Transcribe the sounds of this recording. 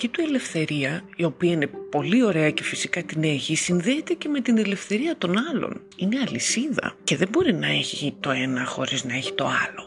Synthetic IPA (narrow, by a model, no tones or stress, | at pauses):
cit̪ue̞le̞fθe̞ɾiɐ | io̞piɐine̞po̞lio̞ɾe̞ɐce̞fisikɐt̪ine̞çisinðeːt̪e̞ce̞me̞t̪ine̞le̞fθe̞ɾiɐt̪o̞nɐlo̞̰n | ine̞ɐlisiðɐ̰ce̞ðembo̞ɾinɐeçit̪o̞e̞nɐxo̞̰ɾiznɐe̞çi̥t̪o̞ɐlo̞